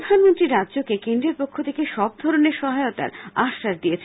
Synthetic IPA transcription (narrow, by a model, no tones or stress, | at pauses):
ɾod̪ʱanmont̪ɾiɾɾad̪ːʑokekend̪ɾeɾpokʰːot̪ʰekeʃɔb̚d̪ʱɔɾoneɾʃɔɦaot̪a̰ɾaʃaɾd̪iet͡ɕʰ